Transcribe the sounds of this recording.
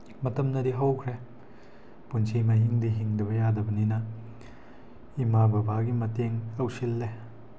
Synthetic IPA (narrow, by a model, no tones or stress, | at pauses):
mɐtɐmnɐdiɦɐwkʰɾe | punsʰimaɦiŋdiɦiŋdɐbɐjadɐbɐninɐ | imabɐbaɡimɐteŋɐwsilːe